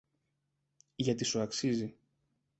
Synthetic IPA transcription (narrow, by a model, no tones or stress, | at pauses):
ʝɐt̪isuɐksizi